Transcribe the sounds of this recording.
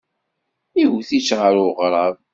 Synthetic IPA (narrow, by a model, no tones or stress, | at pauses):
iwθit͡ʃːʁəɾʊʁɾˤɑðˤ